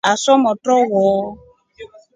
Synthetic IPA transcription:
asɔmɔtɔwɔ

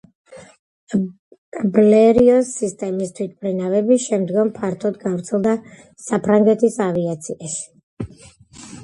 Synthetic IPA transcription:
blɛɾiɔsːist̪ʼɛmist̪ʰwit̪̚ʰbɾɛnavɛbiʃɛmd̪ɡɔmpʰaɾt̪ʰɔd̪ɡavɾt̪sʰɛlˠd̪a | sapʰɾaŋɡɛt̪ʰisaviat̪sʰiaʃi̥

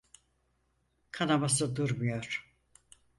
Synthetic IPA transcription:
kʰanabasɯd̪uɾmujoɾ̥

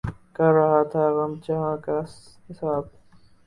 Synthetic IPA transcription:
kɐɾːɐɦat̪ʰaɣɐmt͡ʃɐɦãːka | hɪsaːb̚

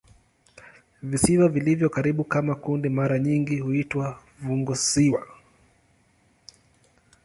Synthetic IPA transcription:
visiwavilivjɔkaɾiɓukamakundimaɾaɲiŋɡihuitwa | vuŋɡɔsiwa̰

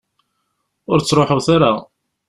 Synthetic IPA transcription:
ʊɾt͡sːɾˤoħuθaɾa

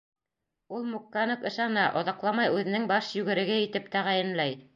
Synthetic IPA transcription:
ulˠmukːanokɤ̆ʃɑnɑʔoðɑqlˠɑmɑjʉðɘ̆nɘŋbɑʃjʉɡɘ̆ɾɘ̆ɡɘit̪ɘpt̪æʁæjɘ̆nlæj

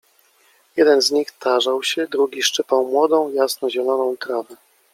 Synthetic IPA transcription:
jɛd̪ɛnzɲixt̪ʰaʐawɕɛd̪ɾuɡʲiʂt͡ʂɘpawmwɔd̪ɔ̃w̃jasnɔʑɛlɔnɔ̃w̃kɾavɛ

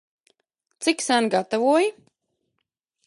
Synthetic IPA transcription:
t̪siksanɡat̪avuːɔj

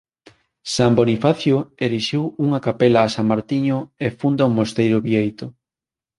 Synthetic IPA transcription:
sambonifaθjoeɾiʃiwuŋɐkapelaːsamaɾt̪iɲoefund̪aumost̪ejɾʊβiejt̪ʊ

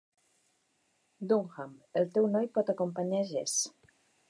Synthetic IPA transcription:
d̪uŋxamelˠt̪ɛwnɔjpɔt̪akompaɲaʒɛs

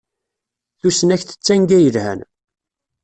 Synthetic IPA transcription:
θusənæçθə̥t͡sːæŋɡæjəlhæ̰n

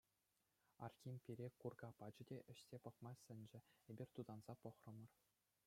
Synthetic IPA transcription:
ɑ̰rxʲimʲpʲiɾʲekurɡɑpɑd͡ʑɘ̆dʲeʔɘ̆ɕsʲepɤ̆χmɑsʲɘ̆nʲd͡ʑɘ̆ebʲirʲt̪ud̪ɑnz̥ɑpɤ̆χrɤ̆mɤ̆r

